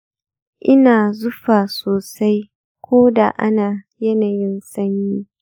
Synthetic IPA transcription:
ʔɪ˦naː˨zʊ˦ɸaː˨soː˨sa˦j | kʷoː˦da̰˨ʔa̰˦naː˨ | jɐ˦naː˨jɪ˦nsɐ˦ɲjiː˦

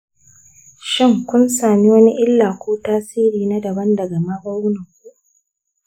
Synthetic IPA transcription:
ʃɪ˦˨ŋkʷʊ˦nsaː˨mi˦wɐ˦ni˦ʔɪ˦lːaː˨kʷoː˦taː˦siː˦ɾiː˨na˦dɐ˨bɐ˦ndɐ˨ɡa˨ma˦bɐ˦ɾu˦na˨kʷu˦ʔ

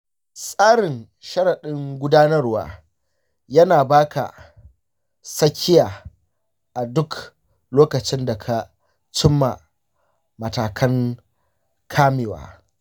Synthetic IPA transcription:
sʼaː˦ɽɪ˨n | ʃɐ˦ɽɐ˨ɗɪ˦ŋɡʷʊ˦daː˦nɐ˦rwa̰ː˨ | jɐ˦naː˨baː˦kʰa̰˨ | sɐ˦kʲːɪ˦jaː˨ | ʔa˨dʊ˦k | loː˦kɐ˨t͡ʃɪ˦nda˨kʰa˨ | t͡ʃɪ˦mːa̰˨ | mɐ˨taː˨kʰɐ˦ŋ | kʰaː˦meː˨wa̰ː˨

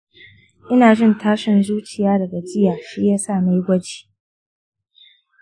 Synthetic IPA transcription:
ʔɪ˦naː˨d͡ʒɪ˦ntaː˦ʃɪ˦nzuː˦t͡ʃɪ˨jaː˦dɐ˨ɡa˨d͡ʒɪ˦jaː˨ʃiː˦jaː˦sa˦˨na˦jɡʷɐ˦d͡ʒi̥ː˨

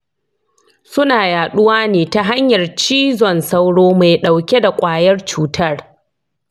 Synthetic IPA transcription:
sʊ˦naː˨jaː˨ɗʊ˦waː˦neː˨ta˨ɦa˦ɲjɐ˨rt͡ʃiː˦zɔ˨nsa˦wɽoː˦ma˨jɗa˨wkʲe˦da˨kʷʼaː˨jɐ˦rt͡ʃuː˦tʰɐ˦r

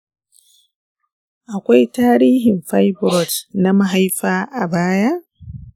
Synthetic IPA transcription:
ʔa˨kʷa˦jtaː˦ɾiː˦ɦɪ˨mɸa˦jbɾɔ˨tna˦ma˨ɦa˦jɸaː˦ʔa˨baː˦ja˦ʔ

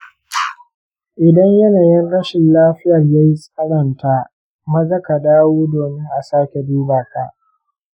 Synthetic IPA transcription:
ʔɪ˨dɐ˦ɲjɐ˦naː˨jɪ˦nɽɐ˦ʃɪ˨nlaː˦ɸɪ˦jɐ˨rjaː˦ji˦sʼɐ˦ɽɐ˨nta˦ | mɐ˦zɐ˦ka˨daː˦woː˦doː˨mɪ˦ŋʔa˨saː˦kʲe˨diː˦baː˨ka˦ʔ

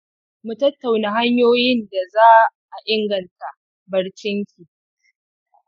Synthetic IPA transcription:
mu˨tɐ˦tːa˨wna˨ɦa˦ɲjoː˦jɪ˦nda˨zaː˦ʔa˨ʔɪ˦ŋɡɐ˨nta˨ | bɐ˨ɽt͡ʃɪ˦ŋkʲi˨

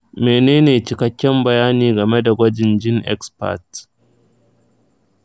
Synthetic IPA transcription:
meː˨neː˦neː˨t͡ʃɪ˨kɐ˦kʲːɛ˦mbɐ˨jaː˦niː˨ɡɐ˨me˦da˨ɡʷɐ˦d͡ʒɪ˨nd͡ʒɪ˦ŋʔɛ̰˦kspa̰˦˨t

